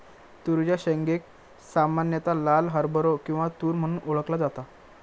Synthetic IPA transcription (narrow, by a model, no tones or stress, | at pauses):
t̪uɾd͡ʑjaɕəŋɡek̚ | samanjət̪alalɦəɾbʱəɾokĩw̃ʋat̪uːɾm̤əɽ̃uːnʔoɭəklad͡zat̪a